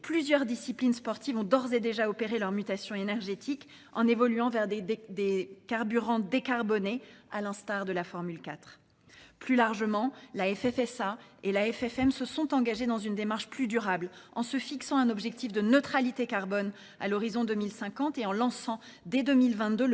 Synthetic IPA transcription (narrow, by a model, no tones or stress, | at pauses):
plyzjœʁd̪isiplinspɔʁt̪ivɔ̃d̪ɔʁzed̪eʒaɔpeʁelœʁmyt̪asjɔ̃enɛʁʒet̪ʰik | ɑ̰̃nevɔlyɑ̃vɛʁd̪ekaʁbyʁɑ̃d̪ekaʁbɔnealɛ̃st̪aʁd̪əlafɔʁmylkat̪χ | plylaʁʒəmɑ̃laɛfɛfɛsaelaɛfɛfɛmsəsɔ̃t̪ɑ̃ɡaʒed̪ɑ̃zynd̪emaʁʃplyd̪yʁablɑ̰̃səfiksɑ̃ɛ̃nɔbʒɛk̚t̪ifd̪ənøt̪χalit̪ekaʁbɔn | a̰lɔʁizɔ̃d̪ømilsɛ̃kɑ̃t̪eɑ̃lɑ̃sɑ̃ | d̪ed̪ømilvɛ̃t̪d̪øl